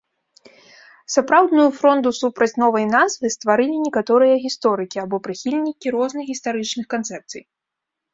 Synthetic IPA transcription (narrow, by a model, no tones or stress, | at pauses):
sapɾawd̪nujufɾɔnd̪usupɾɐt͡sʲnɔvɐjnazvɨst̪vaɾɨlʲinʲɛkat̪ɔɾɨjɐɣʲist̪ɔɾɨkʲiabɔpɾɨxʲilʲnʲikʲiɾɔznɨxɣʲist̪aɾɨt͡ʂnɨxkant̪sɛp̚t̪sɨ̰j